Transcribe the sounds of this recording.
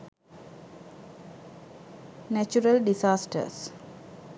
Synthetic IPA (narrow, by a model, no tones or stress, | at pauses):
næt͡ʃuɾəlɖisaːsʈə̰s